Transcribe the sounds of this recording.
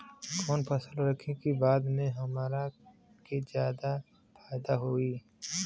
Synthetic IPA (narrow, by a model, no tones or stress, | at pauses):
kɔːnpʰəsəlɾəkʰekibaːd̪mẽɦɐmaːɾa | ked͡ʒjaːd̪a | fʰaːɪd̪aɦoːiː